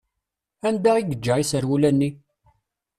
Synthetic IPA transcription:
ænd̪æiɡəd͡ʒːəʁisəɾwulænːi

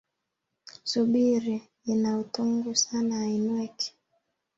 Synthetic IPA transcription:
suɓiɾi | inautuŋɡusanainwɛki̥

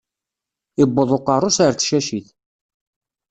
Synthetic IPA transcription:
ɪbːəðˤoqɑrˤːosaɾt͡sːʃæʃiθ

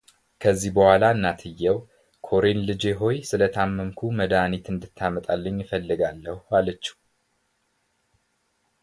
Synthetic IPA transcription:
kʰəzːihbəhʷalaɨnːat̪ʰɨjːɛw | kʰo̞ɾenlɨd͡ʒe̞ɦo̞jsɨlət̪ʰamːəmkʰuməd̪anit̪ɨnd̪ɨt̪ʰːamət̪ʼalːəɲːjɪfəlːɨɡalːəhualət͡ʃːi̥h

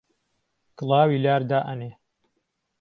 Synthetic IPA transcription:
kɨlˠɑːwiːlaːɾd̪aːʔɐneː

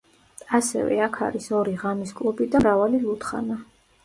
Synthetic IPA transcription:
asɛ̰vɛ̰akʰa̰ɾisɔɾiʁamiskʼlubid̪amɾavalilˠut̪ʰχa̰na

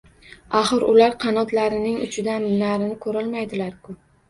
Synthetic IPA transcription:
aχɨɾʊlaɾqʰɑnɒt̪laɾɪnɪŋʊ̰t͡ʃʰɪd̪annaɾɪnɪkʰɵɾɪlmajd̪ɪlaɾkʰʊ

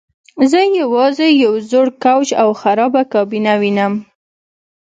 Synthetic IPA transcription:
zəjawɑzejawzoɽkawt͡ʃawxaɾɑbakɑbinawinəm

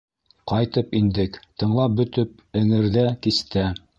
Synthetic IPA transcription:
qɑjt̪ɤpind̪ɘkt̪ɤ̆ɴlˠɑp̚bɵ̆t̪ɵp̚ɘ̆ŋɘ̆ɾðækist̪æ

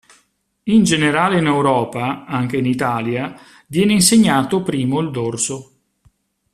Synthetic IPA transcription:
ind͡ʒeneɾaːleinewɾɔːpaaŋk̟einit̪aːlja | vjɛːneinseɲːaːt̪opɾiːmoild̪orso

